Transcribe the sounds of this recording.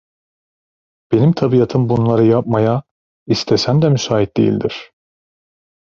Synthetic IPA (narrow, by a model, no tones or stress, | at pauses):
b̥e̞nimt̪ʰabijat̪ʰɯmbunlˠaɾɯjap̚maja | ist̪ʰesæmd̪ɛmysaːɦit̪̚d̪ejḭlʲd̪iɾ̥